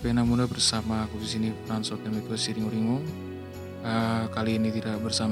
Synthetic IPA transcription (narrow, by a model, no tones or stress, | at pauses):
penamunabərsamakubisinifɾansɔt̪jamit̪usiɾiŋuɾiŋɔŋ | əkaliːnit̪idaʔbərsam